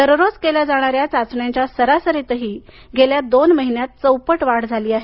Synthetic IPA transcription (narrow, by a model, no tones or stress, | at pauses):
əɾɾod͡zkelad͡zaɽ̃aɾjat͡sat͡sɳjaɲt͡ɕjasəɾasəɾet̪əɦiː | ɡʱeljad̪onməɦinjat̪̚t͡səwpəʈʋaɽd͡zʱaliːaɦe